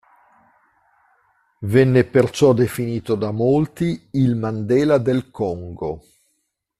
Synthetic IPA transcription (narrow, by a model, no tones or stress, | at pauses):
vɛnːepert͡ʃɔd̪efiniːt̪od̪amolt̪iilmand̪ɛːlad̪elkɔŋɡo